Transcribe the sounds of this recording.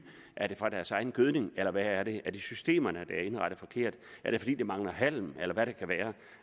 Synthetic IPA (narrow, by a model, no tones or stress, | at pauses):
ʔæɐɾ̥e̝fʁɑ̈d̥æɐsɑ̈ɪn̩ɡ̥øðˠne̝ŋelɐʋæːɐɾ̥e̝ʔæɐd̥isysd̥e̝̰ːmɐnəd̥ææɐe̝nʁɑɾ̥ð̩ˠfɒ̽kʰe̝ɐ̰d̥æɐɾ̥efɒ̽dḭːd̥emɑ̈ŋlɐɦæl̰melɐʋæɾekʰæʋæːɐ